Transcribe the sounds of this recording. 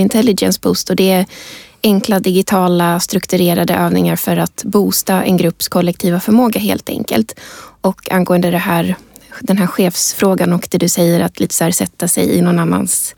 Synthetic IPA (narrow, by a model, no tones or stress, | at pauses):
ɪnt̪ʰɛlːɪɡjɛ̰nsbʰust̪ɔd̪ɛæɛŋklad̪ɪɡɪt̪ʰɑːlast̪ɾɵkt̪ɵɾeːɾad̪əʔøːvnɪŋaɾfœɾat̪buːst̪aʔɛ̰nɡɾɵpːskʰɔlːɛk̚t̪ʰiːvafœɾmoːɡaɦḛːlt̪ʰɛ̰ŋkə̰lt̪ɔkʰːanɡoːənd̪əd̪ɛɦæːɾd̪ɛnɦæːɾɧeːfsfɾoːɡanɔkd̪ɛd̪ɵsɛjːəɾat̪ʰliːt̪ə̥sæːɾsɛt̪ːasɛ̰jɪ̰nɔnanːa̰ns